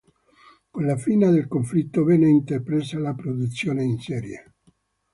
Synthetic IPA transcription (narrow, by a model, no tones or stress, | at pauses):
konlafiːnad̪elkoɱflit̪ːovɛːneint̪epɾesalapɾod̪ut̪sːjoːneinsɛːɾje